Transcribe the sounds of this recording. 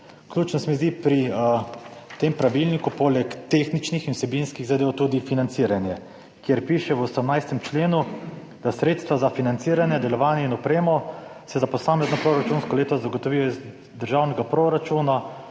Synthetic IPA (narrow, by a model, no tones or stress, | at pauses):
kljuːt͡ʃnɔsmɛzd̪ipɾi | t̪empɾaʋilnikupolɛkt̪exnit͡ʃnixinusɛbinskiɣzad̪eːwt̪uːd̪ifinantsiːɾanjɛ | kjɛɾpiːʃɛwɔsɛmnajst̪ɛmt͡ʃleːnu | d̪̥asɾeːt̪st̪ʋazafinant̪siɾanjɛd̪ɛlɔʋaːnjɛinɔpɾeːmɔsɛzapɔsaːmɛznɔpɾoɾat͡ʃunskɔleːt̪ɔzzaɡɔt̪ɔʋiːjɔiz | d̪əɾʒawnɛɡapɾoɾat͡ʃuna